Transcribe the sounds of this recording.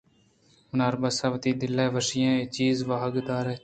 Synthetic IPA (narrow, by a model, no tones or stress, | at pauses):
mʊnaːɾbaːsaːʋt̪iːd̪ɪlːɛːʋəʃɪjãːeːt͡ʃiːzʋaːɦəɡd̪aːɾɛː